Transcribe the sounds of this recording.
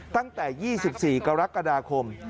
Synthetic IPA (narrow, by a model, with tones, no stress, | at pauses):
t̪a˥˩ŋt̪ɛː˨˩jiː˥˩si˨˩p̚siː˨˩ka˧ɾa˦˥kːa˧daː˧kʰo˧m